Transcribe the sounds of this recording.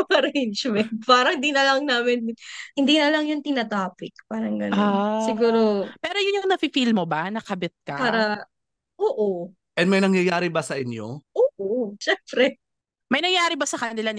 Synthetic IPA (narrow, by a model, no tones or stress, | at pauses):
pɐɾɛnd͡ʒmɛnt̪̚paːɾɐhɪnd̪iːnɐlɐŋnaːmɪnmɪhɪnd̪iːnɐlɐŋjʊnt̪ɪnat̪aːpɪk̚paːɾɐŋɡɐnoanssɪɡuːɾopɛːɾo̞jʊnjʊŋnɐfɪfilmobɐnɐkɐbɪt̪̚kɐpaːɾɐ | ʔoːʔo | ʔɛnmɐjnɐŋjɐjaːɾɪbɐsɐʔɪnjo̞̰ʔoːʔoʃɛːmpɾɛ | mɐjnɐŋjaːɾɪbɐsɐkɐnɪlan